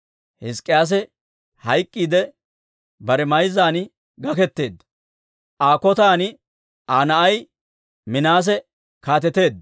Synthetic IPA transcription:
hɪskʼːɪjaːs̬ɛ | hɐjkʼːiːd̪ɛ | bɐɾɛmɐjzaːnɪ | ɡɐkɛt̪ːe̞ːd̪ːɐ | ʔaːkɔt̪aːnɪ | ʔaːnɐʔɐj | mɪnaːs̬ɛ | kaːt̪̬ɛt̪e̞ːd̪ː

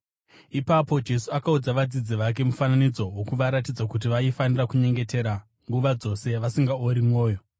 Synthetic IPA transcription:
ipapo̞d͡ʒe̞suakaud͡zaʋad͡zid͡ziʋak̬e̞mufananid͡zo̞wokuʋaɾatid͡zakut̬iʋaifanirakuɲe̞ŋɡe̞te̞ɾa | ŋɡuʋad͡zo̞se̞ʋasiŋɡaoɾimwo̞ːjo̞

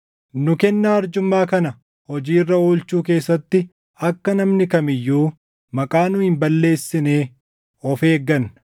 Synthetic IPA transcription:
nʊkɛnːaːɐɾd͡ʒʊmːaːkɐnɐ | hɔd͡ʒiːrːɐuːlt͡ʃuːk̬e̞ːsːɐt̪ːɪ | ɐkːɐnɐmnɪkɐmɪjːuː | mɐkʼaːnʊhɪmbɐlːe̞ːsːɪne̞ː | ɔfe̞ːɡːɐn

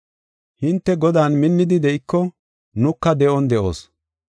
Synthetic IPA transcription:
hɪnt̪ːɛɡɔd̪aːnmɪnːɪd̪ɪd̪ɛʔɪkːɔ | nʊkːɐd̪ɛʔɔnd̪ɛʔo̞̰ːs

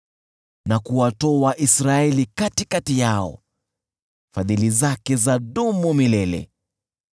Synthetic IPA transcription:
nakuwatɔwaʔisɾaɛlikatikatijaɔ̰ | faðilizakɛzaɗumumilɛlɛ̰

